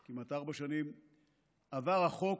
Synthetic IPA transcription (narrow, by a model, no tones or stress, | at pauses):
kimataʁbaʃanim | avaʁaχo̞k